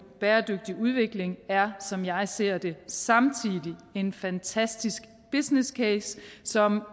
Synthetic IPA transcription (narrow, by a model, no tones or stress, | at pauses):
b̥eːɐd̥øɡ̥̚d̥iʔuð̞ˠʋe̝ɡ̥le̝ŋæɐsɒ̽mjɑ̈ɪse̝̰ɐ̰d̥e̝sɑ̈mt͡sʰiðˠie̝nfænt͡sʰæsd̥isɡ̥ | b̥isneskʰeːssɒ̽m